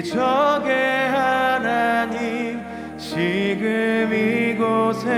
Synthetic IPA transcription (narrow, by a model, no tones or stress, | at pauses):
t͡ɕʰʌɡeɦanaɲik | t͡ɕiɡɯmiɡosʰe